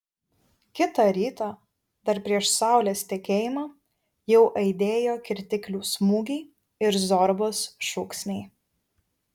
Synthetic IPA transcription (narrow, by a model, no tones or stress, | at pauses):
kʲɪt̪ɑˑɾʲiːt̪ɑ | d̪ɐɾpʲɾʲiɛʃsɑˑʊlʲeːst̪ʲɛkʲeːjɪmɑː | jɛʊʔɐɪd̪ʲeːjoːkʲɪɾʲt̪ʲɪkʲlʲuːsmuːɡʲɛɪ | ɪɾzɔɾboːsʃʊksʲnʲɛɪ